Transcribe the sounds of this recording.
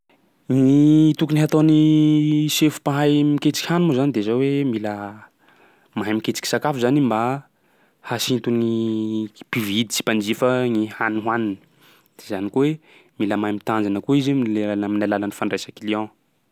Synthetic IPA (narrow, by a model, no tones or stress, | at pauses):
ŋit̪ukuniɦat̪oni | sefu̥paɦajmiket͡si̥kʲhanumozanid̪ezawemilə | maɦajmikʲet͡si̥kʲisakafuzanimba | hasint̪uni | pivid̪it͡si̥pand͡ʒifəŋihanuɦwanini̥ | d̪̥ezanikowemiləmajmit̪and͡zanəkuizemileanminalalanifaɳɖ͡ʐesakiliã